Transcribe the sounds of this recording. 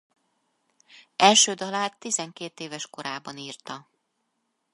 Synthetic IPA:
ɛlʃøːd̪ɒlaːt̪ːizɛŋkeːt̪eːvɛʃko̞ɾaːbɒniːrt̪ɒ

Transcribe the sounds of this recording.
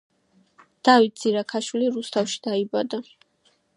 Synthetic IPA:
d̪̥avit̪̚z̥iɾakʰaʃwiliɾust̪ʰafʃi̥d̪̥aibad̪a

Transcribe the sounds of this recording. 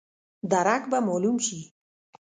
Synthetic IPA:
d̪aɾakbamɔlumʃi

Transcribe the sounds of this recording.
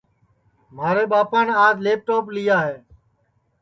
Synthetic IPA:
m̤aːɾeːɓaːpaːnaːzleːp̚ʈoːplɪjaːɦeː

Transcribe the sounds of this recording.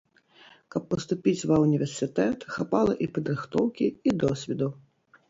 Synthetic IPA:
kɐpːɐst̪upʲit͡sʲvɐwnʲivʲɛrsʲɨt̪ɛt̪xapalˠɐʔipɐd̪ɾɨxt̪ɔwkʲiid̪ɔsʲvʲid̪u

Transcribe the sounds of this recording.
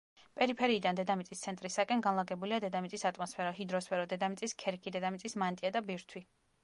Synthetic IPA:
pʼɛɾipʰɛɾiːd̪and̪ɛd̪amit̪sʼist̪sʰɛnt̪ʼɾisakʼɛnɡanlˠaɡɛbuliad̪ɛd̪amit̪sʼisat̪ʼmɔspʰɛɾɔɦid̪ɾɔspʰɛɾɔd̪ɛd̪amit̪sʼiskʰɛɾkʰid̪ɛd̪amit̪sʼismant̪ʼiad̪abiɾt̪ʰwi

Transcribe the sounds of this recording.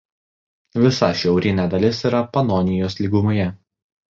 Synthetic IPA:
ʋʲɪsɐʃʲɛʊɾʲɪnʲæːd̪ɐlʲɪsiːˑɾɐpɐnɔnʲɪjoːslʲiːɡʊmojɛ

